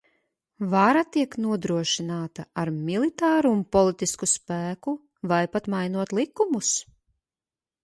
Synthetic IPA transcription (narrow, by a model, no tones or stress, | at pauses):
vaɾat̪iɛknuɔd̪ɾuɔʃinaːt̪aaɾmilˠit̪aːɾuːnpɔlˠit̪iskuspæːku | vajpat̪majnuɔt̪lˠikumus